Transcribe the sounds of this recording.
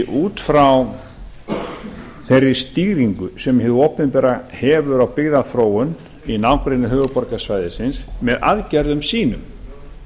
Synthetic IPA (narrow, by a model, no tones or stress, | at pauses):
ʔuːt̪fɾaw | θejrːɪ̥st̪iːɣɾiŋkʏsɛmɦɪðopɪnpɛːɾahɛːvʏɾawpɪɣðaθɾoːwʏn | inaːwkɾejnʏɦœːvʏpɔɾkasvaːjðɪsɪnsmɛða̰ðcɛɾðʏmsiːnʏm